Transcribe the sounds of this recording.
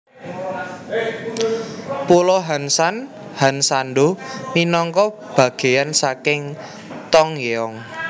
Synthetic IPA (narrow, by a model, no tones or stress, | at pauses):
pulɔɦansan | hansanɖominɔŋkɔ | b̥ä̤ɡ̥e̤jansakɪŋ | t̪ɔŋjeɔŋ